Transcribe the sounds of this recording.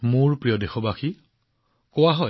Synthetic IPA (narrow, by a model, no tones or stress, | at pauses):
mʊɹpɹijɔdexɔbaxi | kowaɦɔj